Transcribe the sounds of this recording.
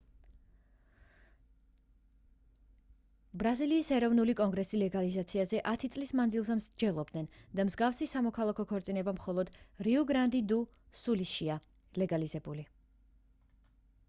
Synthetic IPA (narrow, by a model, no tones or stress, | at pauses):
bɾaziliːsɛɾɔvnulikʼɔŋɡɾɛsilɛɡalizat̪sʰiazɛʔat̪ʰit̪sʼlismand̪zilˠzɛmsd͡ʒɛlˠɔb̚d̪nɛnd̪amzɡafsisamɔkʰalˠakʰɔkʰɔɾt̪sʼinɛbamχɔlˠɔd̪̥ɾiɔɡɾand̪id̪u | suliʃia | lɛɡalizɛbuli